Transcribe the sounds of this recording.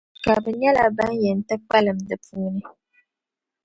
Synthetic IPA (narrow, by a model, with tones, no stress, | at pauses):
ka˨bɨ˨ɲɛ˦la˨ba˦njɛ˨n˨tɨ˦k͡pa˦lɨ˨m̩dɨ˨puː˦nɨ˦